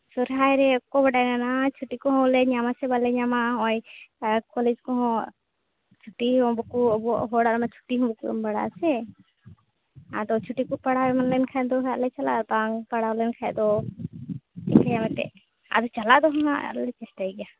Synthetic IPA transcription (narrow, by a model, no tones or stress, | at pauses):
sɔɾɦajɾɛɔkɔbaɖajnanat͡ʃʰuʈikɔɦɔ̃lɛɲamasɛbalɛɲamaɦɔjkɔlɛd͡ʒkɔɦɔ̃ | t͡ʃʰuʈiɦɔ̃bɔkuɔbɔʔɦɔɽaɾmat͡ʃʰu̥ʈiɦɔ̃bɔkuɔ̰mbaɽa̰sɛ | a̰d̪ɔt͡ʃʰuʈikupaɽawɛmanlɛnkʰajd̪ɔɦɛlɛt͡ʃala̰baŋpaɽalɛnkʰaɛd̪ɔ | ɛ̰kajamɛt̪ɛ̰ | a̰d̪ɔt͡ʃalad̪ɔɦɔ̃ɦa̰lɛt͡ʃɛsʈajɡɛja